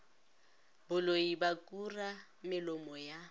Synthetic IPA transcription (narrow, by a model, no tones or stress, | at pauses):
bʊloibakʼura | mɪlɔmɔja